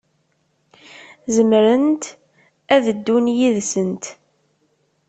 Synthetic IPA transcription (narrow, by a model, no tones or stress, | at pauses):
zəmɾənt̪ | æðəd̪ːunjiðsənt̪